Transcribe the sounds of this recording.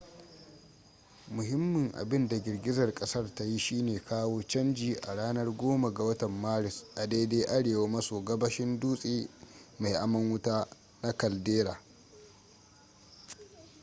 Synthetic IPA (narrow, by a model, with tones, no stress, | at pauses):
mʊ˨ɦɪ˦mːɪ˨ŋʔa̰˨bɪ˦nda˨ɡʲɪ˨rɡʲɪ˦zɐ˨rkʼɐ˦sɐ˦rta˦ji˦ʃiː˦neː˨kʰaː˦woː˦t͡ʃɐ˦nd͡ʒiː˨ʔa̰˨ɽaː˦nɐ˦rɡʷoː˦ma˨ɡa˨wɐ˦tɐ˨mːaː˦ɽɪ˨sʔa˨da˦jde˦ʔa˦ɽeː˨wa˦mɐ˦soː˨ɡɐ˦bɐ˦ʃɪ˦nduː˦sʼiː˦ma˨jʔa˨mɐ˦ŋwʊ˦taː˦ | na˦kɐ˨ldeː˦ɾaː˨